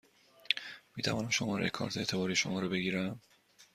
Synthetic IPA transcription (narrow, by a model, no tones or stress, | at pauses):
miːt̪ʰævɒːnæmʃomɒ̰ːɾejekʰɒ̰ːɾt̪ʰee̞ːt̪ʰe̞bɒːɾiʃomɒːɾobe̞ɡiːɾæm